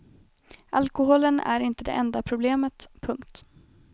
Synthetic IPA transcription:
ʔalkʊɦoːlənæ̰ɾɪnt̪əd̪ɛ̰ʔɛnd̪apʰɾʊbleːmət̪pʰɵŋkt̪

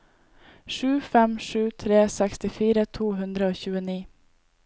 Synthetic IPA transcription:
ʂʉːfɛmʂʉːt̪ʰɾeːsɛkst̪ɪfiːɾət̪ʰuːɦʉnd̪ɾəoːçʉːəniː

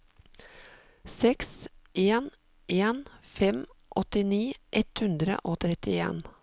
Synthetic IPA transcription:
sɛksʔeːn | ʔeːnfɛmʔɔt̪ɪniːʔɛt̪hʉnd̪ɾə̰ʔoːt̪ʰɾɛt̪ɪḛːn

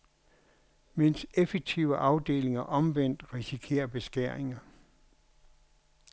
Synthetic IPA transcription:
men̰sefeɡ̥̚t͡sʰiʊəʔɑ̈ʊd̥e̝̰ːle̝ŋɐʔɒ̽mʋen̰d̥ʁisikʰe̝̰ːɐb̥e̝sɡ̥æɐ̰e̝ŋɐ

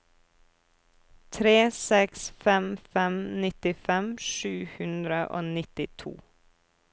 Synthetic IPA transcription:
t̪ʰɾeːsɛksfɛmfɛmnɪt̪ɪfɛmʃʉːhʉnd̪ɾəʔo̰ːnɪt̪ɪt̪ʰṵː

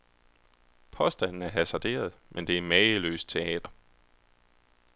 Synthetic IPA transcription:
pʰɒ̽sd̥æn̰n̩æɐɦæsæd̥e̝̰ːɐð̞̩ˠmʔend̥e̝æɐmɛːəlø̰ːs̚t͡sʰe̝ɛ̰ːd̥ɐ

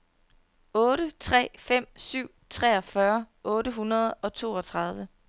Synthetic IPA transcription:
ɔ̽ːɾət͡sʰʁɛ̰ːfem̰syʊ̰t͡sʰʁɛ̰ːɒ̽fɶɐ | ɔ̽ːɾəɦunɐð̞ˠɒ̽t͡sʰo̝̰ːɒ̽t͡sʰʁɑ̈ð̞ˠʋə

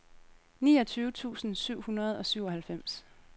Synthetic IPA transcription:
niːɒ̽t͡sʰyːʊət͡sʰṵːsn̩syʊ̰hunɐð̞̩ˠɒ̽syʊ̰ɒ̽hælfem̰s

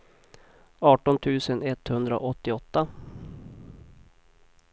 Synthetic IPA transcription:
ɑːʈɔnt̪ʰʉ̟ːsənɛt̪hɵnd̪ɾao̰ʔɔt̪ːɪɔt̪ːa

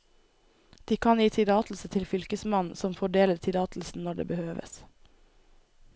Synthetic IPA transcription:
d̪̥iːkʰɑnjiːt̪ʰɪɾɑːt̪l̩sət̪ʰɪlfʏlkəsmɑnsɔmfɔɖeːləɾt̪ʰɪɾɑːt̪l̩sn̩nɔɖḛːbəhøːʋə̰s

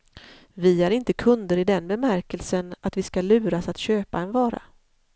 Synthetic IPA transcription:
vɪhaɾɪnt̪əkʰɵnd̪əɾɪd̪ɛnbɛmæɾkəlsənat̪vɪskalʉ̟ːɾasat̪ɕøːpaɛnvɑːɾa̰

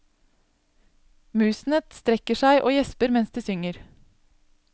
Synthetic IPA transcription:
mʉːsn̩ət̪st̪ɾɛkəʃæɪʔoːjɛspəɾmɛnsd̪eːsʏŋəɾ

